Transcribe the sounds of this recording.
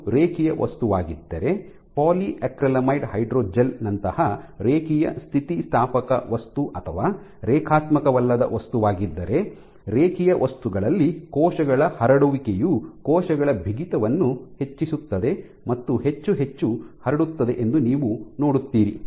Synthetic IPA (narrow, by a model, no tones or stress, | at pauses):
ɾeːkijɐʋʔɐ̰st̪uʋaːɡid̪ːɐɾe̞ | paːliʔekɾɐlɐmɐjʈhɐjɖɾoːd͡ʒɐlnɐnt̪ɐhɐɾeːkijɐ̰st̪ʰit̪ist̪ʰaːpɐkɐ̰ʋɐst̪uʔɐt̪ʰɐʋaː | ɾɛːkʰaːt̪mɐkɐʋɐlːɐd̪ɐ̰ʋɐst̪uʋaːɡid̪ːɐɾe̞ | ɾeːkijɐʋɐst̪uɡɐɭɐlːikɔːʃɐɡɐɭɐhɐɾɐɽuʋikejukɔːʃɐɡɐɭɐbʱiɡit̪ɐʋɐnːuhe̞t͡ʃːisut̪ːɐd̪e̞ | mɐt̪ːuɦe̞t͡ʃːuɦet͡ʃːuhɐɾɐɽut̪ːɐd̪e̞ʔend̪uniːʋuno̞ːɽut̪ːiːɾi